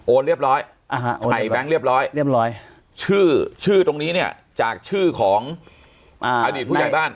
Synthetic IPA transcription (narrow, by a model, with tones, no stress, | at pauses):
ʔoː˧nɾi˥˩əp̚ɾɔː˦˥j | ʔa˧˦˥ʔa˨˩jbɛ˦˥ŋɾi˥˩əp̚ɾɔː˦˥ji˥˩əɾɔː˦˥j | t͡ɕʰɯː˥˩t͡ɕʰɯː˥˩t̪o˧ŋniː˦˥ni˥˩ɐ | t͡ɕaː˨˩k̚t͡ɕʰɯː˥˩kʰɔː˩˦ŋ | ʔʔaː˧diː˨˩t̪̚ʰuː˥˧˩a˨˩jbaː˥˩n